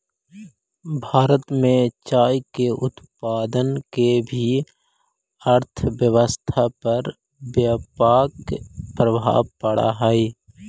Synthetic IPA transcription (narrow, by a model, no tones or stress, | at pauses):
bʱaːɾət̪mẽt͡ʃaːjkeʔʊt̪paːd̪ənkebʱi | əɾt̪ʰʋjəʋəst̪ʰapəɾ | bjapaːkpɾəbʱa̰ːʋpəɽa̰ɦɛi